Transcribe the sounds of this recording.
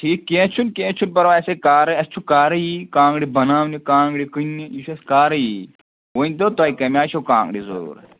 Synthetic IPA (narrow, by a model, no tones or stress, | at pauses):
ʈʰiːkːẽːt͡ʃʰunkẽːt͡ʃʰunpɐɾoɐsekaːɾɨɐst͡ʃʰukaːɾɐjikãːŋɡɽibɐnaːmnikãːŋɡɽikɨnːijit͡ʃʰɐskaːɾɐji | ʋoːnʲd̪ot̪aːjikɐmʲaːt͡ʃʰokã̰ːŋɡɽizo̰uːɾ̰